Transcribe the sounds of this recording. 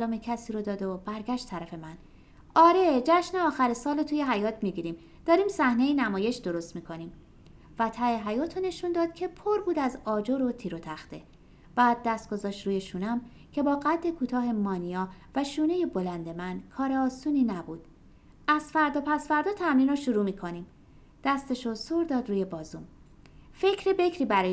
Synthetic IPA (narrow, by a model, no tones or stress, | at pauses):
ælɒːmecʰæsiːɾod̪ɒːd̪ob̥æɾɡæʃt̪ʰːæɾæfe̞mæn | ʔɒːɾe̞d͡ʒæʃneɒːxæɾesɒːlot̪ʰuːjeɦæjɒːt̪ʰmiɡiːɾiːm | d̪̥ɒːɾiːmsæhne̞jinæmɒːje̞ʃd̪o̞ɾo̞st̪miːkʰo̞nim | væt̪ʰæeɦæjɒːt̪ʰone̞ʃund̪ɒːd̪̥cʰe̞pʰoɾbuːd̪æzɒːd͡ʒoɾot̪ʰiːɾot̪ʰæxt̪e̞ | b̥æːd̪̚ːæst̪̚ɡ̥o̞zɒːʃt̪ɾuːje̞ʃuːnæm | cʰe̞bɒːɣæd̪ːe̞kʰuːt̪ʰɒːɦe̞mɒːnijɒːvæʃuːne̞je̞bo̞lænd̪e̞mænkʰɒːɾe̞ɒːsuːniːnæbuːd̪̥ | æz̥fæɾd̪ɒːpʰæsfæɾd̪ɒːt̪ʰæmɾiːnɒʃuɾuːmiːkʰo̞niːm | d̪̥æst̪eʃosoɾd̪ɒːd̪ɾuːje̞bɒːzuːm | fe̞cʰɾebe̞cʰɾiːbæɾɒː